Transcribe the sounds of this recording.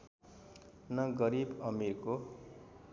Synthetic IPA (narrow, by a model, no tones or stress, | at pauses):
nʌɡʌɾibʌmirko